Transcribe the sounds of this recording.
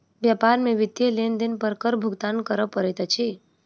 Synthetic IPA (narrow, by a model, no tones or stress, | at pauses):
ʋjapaɾmẽʋɪd̪jelend̪inpəɾkəɾbʱʊɡt̪ankəɾəpəɾɛt̪ət͡ʃʰi